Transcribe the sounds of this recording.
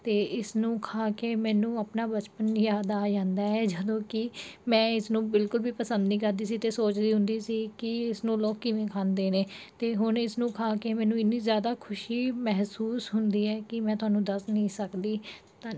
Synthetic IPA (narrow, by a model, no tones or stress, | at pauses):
t̪eːɪsnũːkʰaːkeːmɛ̃ːnũːəpnaːbət͡ʃpənjaːd̪aːd͡ʒãːnd̪aːɛːd͡ʒəd̪õːkɪmɛ̃ːɪsnũːbɪlkʊlbʱiːpəsənd̪niːkəɾd̪iːs̬iːt̪eːsoːt͡ʃd̪iːɦʊ̃nd̪iːsiːkɪɪsnũːloːkːɪʋẽːkʰãːnd̪eːneːt̪eːɦʊnɪsnũːkʰaːkeːmɛ̃ːnũːɪnːiːzjaːd̪aːkʰʊʃiːmɛɦsuːsɦʊnd̪iːɛːkɪmɛ̃ːt̪ʊɦaːnũːd̪əsnĩːsəkd̪iː | t̪ãː